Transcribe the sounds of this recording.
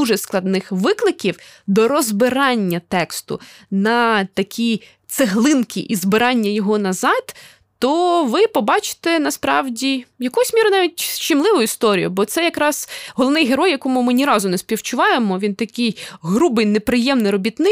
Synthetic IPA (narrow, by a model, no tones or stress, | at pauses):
uʒɛsklˠɐd̪nɪxʋɪklˠɪkʲiwd̪ɔɾɔzbɪɾɑnʲːɐt̪ɛkst̪ʊ̰nɐt̪ɐkʲʰij | t̪seɦlˠɪnkʰʲiʔizbɪɾɑnʲːɐjɔɦɔnɐzɑd̪̥ː | ɔʋɪpɔbɑt͡ʃɪ̥t̪ɛnɐspɾɑwdʲijɐkujsʲmʲiɾʊnɑʋʲitʲt͡ʃɪmlˠɪʋʊjist̪ɔɾʲḭjʊbɔt̪sɛjɐkɾɑz̥ɦɔlˠɔʋnɪjɦeɾɔjːɐkɔmʊmɪnʲiɾɑzʊnɛspʲiwt͡ʃʊʋɑjemɔʋʲint̪ɐkʲɪjɦɾubɪjnepɾɪjɛmnɪjɾɔbʲit̪nɪ